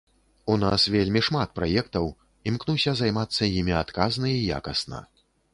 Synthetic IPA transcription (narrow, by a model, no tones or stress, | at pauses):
unasvʲelʲmʲiʂmat̪̚pɾajɛkt̪ɐw | imknusʲɐzajmat̪sːɐjimʲiat̪kaznɐija̰kɐsnɐ̰